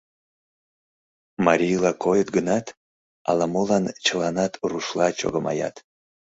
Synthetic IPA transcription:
maɾʲijlˠɑkʰojət̪ɡənɑt̪ | ɑ̰lɑmolˠɑnt͡ʃəlˠɑnɑt̪ruʃlˠɑt͡ʃo̰ɣəmɑ̰jɑ̰t̪

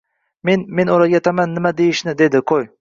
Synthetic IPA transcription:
menmenoɾɑɡʲat̪ʰamanːɪmad̪ejɪʃnɪd̪ed̪ɪqʰoj

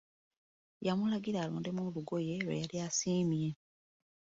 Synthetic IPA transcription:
jamulaɡiɾaːlo̰ːnde̞muluɡo̞je̞wḛjaljaːsiːmje̞

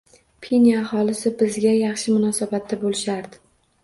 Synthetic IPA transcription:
pʰinjaːχɒlɪsɪbɪzɡʲajɑχʃɪmʊnɒsabat̪ʰːabolɪʃaɾd̪ɪ̥

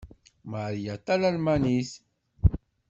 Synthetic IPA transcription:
maɾjat̪ˤːɑlalmanis

